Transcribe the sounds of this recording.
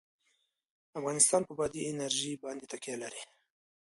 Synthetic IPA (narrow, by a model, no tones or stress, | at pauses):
afɣɑnɪst̪ɑnpəbɑd̪iɪnaɾʒibɑnd̪et̪akjalaɾi